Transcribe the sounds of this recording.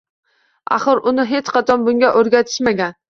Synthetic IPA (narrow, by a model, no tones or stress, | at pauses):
a̰χɨɾʊnɪɦe̞t͡ʃqʰɑt̪ʰɒnbʊŋɡʲaʔoɾɡʲat̪ʰɪ̥ʃmaɡʲan